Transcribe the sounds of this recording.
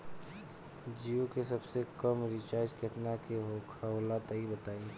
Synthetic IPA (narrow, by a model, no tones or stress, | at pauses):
d͡ʒijukesɐbsekɐmɾit͡ʃaːd͡ʒket̪nakeɦokʰaɦoːlat̪aibɐt̪aːĩ